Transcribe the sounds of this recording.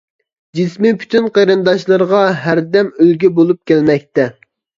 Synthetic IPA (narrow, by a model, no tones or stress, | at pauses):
d͡ʒismipʰy̥t̪ʰynqʰeɾɨnd̪ɑʃlˠɨɾʁɑɦæɾd̪ɛmølɡʲɛbolˠup̚kʲʰælmɛk̚ʲt̪ɛ